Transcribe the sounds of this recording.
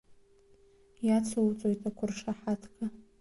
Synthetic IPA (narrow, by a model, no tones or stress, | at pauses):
jat͡sʰowt͡sʼojtʼakʷʰʊrʂaħatʰkʰʼa